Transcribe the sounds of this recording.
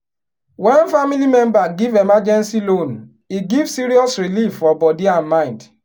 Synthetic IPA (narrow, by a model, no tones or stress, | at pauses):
wɛnfamilimɛ̃mbaɡivemad͡ʒɛ̃nsilon | iɡivsiɾiɔsɾilifːɔbɔdiãnmãɪ̃nd